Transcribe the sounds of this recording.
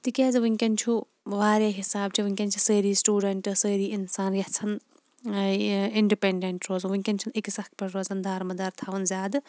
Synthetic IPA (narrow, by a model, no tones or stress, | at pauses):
t̪ikʲaːzɨʋɨŋʲkʲɐnt͡ʃʰu | ʋaːɾʲjaːɦisaːb̚t͡ʃʰiʋɨŋʲkʲɐnʲt͡ʃʰisəːɾiːsʈuːɖɐɳʈɨsəːɾiːinsaːnjʲɐt͡sʰɐn | iɳɖipeɳɖeɳʈɾoːzɐnʋuŋʲkʲɐnʲt͡ʃʰuniksɐhk̚pɐɾɾoːzɐnd̪ʱaːɾmɐd̪ɐɾt̪ʰaːʋɐnzʲaːd̪